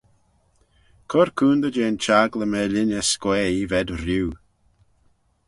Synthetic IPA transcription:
kʰɔɾkʰuːnd̪əd͡ʒeːnt͡ʃaɡləmɛlɪnəskwɛːivɛdɾiw

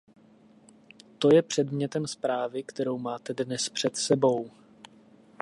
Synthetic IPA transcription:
t̪o̞jɛpr̝̥ɛdmɲɛt̪ɛmspɾaːvɪkt̪ɛɾo̞wmaːt̪ɛdnɛspr̥ɛt̪sɛbo̞w

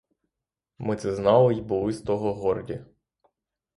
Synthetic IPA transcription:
mɪt̪sɛznɑlˠɪjbɔlˠɪst̪ɔɦɔɦɔrdʲi

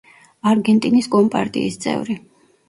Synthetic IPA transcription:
aɾɡɛnt̪ʼiniskʼɔmpʼa̰ɾt̪ʼḭːst̪sʼɛ̰vɾi

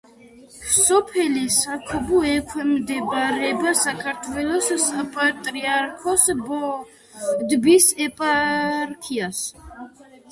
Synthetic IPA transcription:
sɔpʰɛlisakʰɔbuɛkʰwɛmd̪ɛbɾɛbasakʰaɾt̪ʰwɛlɔssapʼat̪ʼɾiaɾkʰɔsbɔ | d̪bisɛpʼaɾkʰias

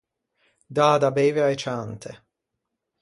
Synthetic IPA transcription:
d̪aːd̪abeːveajt͡ʃant̪ʰe

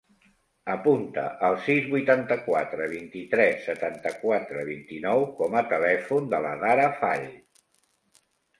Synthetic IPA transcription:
əpunt̪ə̰ʔəlˠsizβujt̪ant̪əkwat̪ɾəβ̞int̪it̪ɾɛsːət̪ant̪əkwat̪ɾəβint̪inɔwkɔmət̪əlɛfund̪ələðaɾəfaʎ

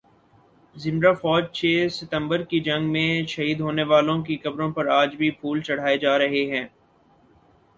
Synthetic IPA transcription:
zɪ̃mɾafɔːd͡ʒt͡ʃʰeːsɪt̪ə̃mbəɾkid͡ʒɐ̃ŋɡmẽʃɐɦiːd̪ɦoːneʋaːlõkikɐbɾõpɐɾaːd͡ʒbʱipʰuːlt͡ʃɐɽ̤aːed͡ʒaːɾɐɦeɦɛ̃ː

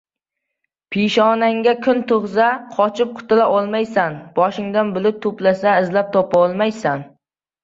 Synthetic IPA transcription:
pʰiʃɒnaŋɡʲakʰʊnt̪ʰʊʁzaqʰɒt͡ʃʰɪp̚qʰʊ̥t̪ʰɪlaʔɒlˠmajsanb̥ɒʃɪŋd̪anbʊlɪp̚t̪ʰʊplasaɪzlap̚t̪ʰɒpaɒlˠmajsan

